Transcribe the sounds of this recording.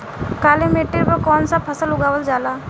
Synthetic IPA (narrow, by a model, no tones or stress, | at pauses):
kaːlemeːʈeɾpəkɔːnsapʰɐsəlʊɡaːʋəld͡ʒaːlaː